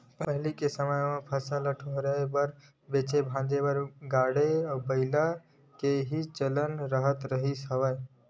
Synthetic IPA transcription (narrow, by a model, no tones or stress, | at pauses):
pəpəɦlikesəməjmepʰəsaləʈʰɦoɾəebəɾ | bet͡ʃebʱãd͡ʒebəɾɡaɽeabəɪla | keɦit͡ʃələnɾəɦət̪ɾəɦisəbəj